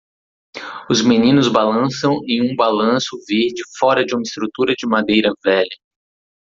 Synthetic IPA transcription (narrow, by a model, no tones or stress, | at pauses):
ʊzmenĩnʊzbalɐ̃sɐ̃w̃ẽj̃ũbalɐ̃sʊveɾd͡ʒɪfɔɾɐd͡ʒɪũmɐɪst̪ɾut̪uɾɐd͡ʒɪmad̪ejɾɐvɛʎɐ